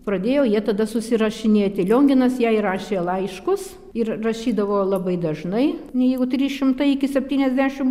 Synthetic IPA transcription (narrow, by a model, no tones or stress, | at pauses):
pɾɐd̪ʲeːjoːjiɛt̪ɐd̪ɐsʊsʲɪɾɐʃʲɪnʲeːt̪ʲɪlʲoːŋʲɡʲɪnɐsjæːɪɾɑːʃʲeːlˠɐɪʃkʊs | ɪrrɐʃʲiːd̪ɐʋoːlˠɐbɐɪd̪ɐʒnɐɪnʲɛjɛɪɡʊt̪ʲrʲiːʃʲɪmt̪ɐɪɪkʲɪsʲɛpʲt̪ʲiːnʲɛzʲd̪ʲæːʃʲɪm